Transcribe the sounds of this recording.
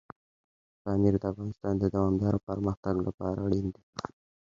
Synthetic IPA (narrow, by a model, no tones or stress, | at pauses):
kɑmiɾd̪əafɣɑnɪst̪ɑnd̪əd̪awɑmd̪ɑɾopəɾməxt̪aɡla̰pɑ̰ɾa̰ɽind̪i